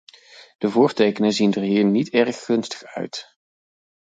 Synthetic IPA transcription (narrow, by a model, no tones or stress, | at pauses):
d̥əvʊːɹtejkənəzindəɹɦiːɹnitɛɹχːɵnstə̥χœ̰ɥt